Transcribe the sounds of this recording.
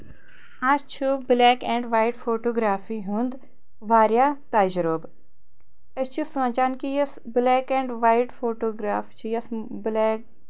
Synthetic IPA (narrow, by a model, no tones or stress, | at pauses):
aːst͡ʃʰublɛːkɛ̃ːɳɖʋaːjʈfoːʈoːɡɾaːfiɦũnd̪ | ʋaːɾjaːt̪aːd͡ʒɾob | ɐst͡ʃʰisɐ̃ːɲt͡ʃaːnkijɐs | blɛːkɛ̃ːɳɖʋaːjʈfʰoːʈoːɡɾaːft͡ʃʰijɐs | blɛːk